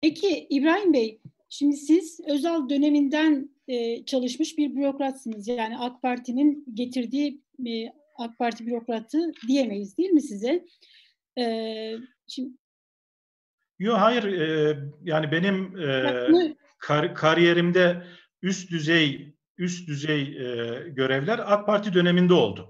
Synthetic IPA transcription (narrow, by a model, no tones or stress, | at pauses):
pʰecʰiibɾaːɦimbej | ʃimd̪isiz̥ø̞zælʲd̪ø̞ne̞mind̪æn | ɛːt͡ʃʰalˠɯʃmɯʃbiɾbyɾo̞kɾat̪sɯnɯzjaːniakpʰaɾt̪ʰininɟe̞t̪ʰiɾd̪iː | ak̚pʰaɾt̪ʰibyɾo̞kɾat̪ʰɯd̪ije̞me̞jizd̪ijilʲmisizɛ | ɛ | ʃi | joɦajiɾɛjaːnibe̞nimː | kʰaɾkʰaɾije̞ɾimd̪ɛ | yst̪d̪yzɛj | yst̪̚d̪yzɛjɛɟø̞ɾɛvlʲæɾak̚pʰaɾt̪ʰid̪ø̞ne̞mind̪ɛo̞̰lˠd̪ʊ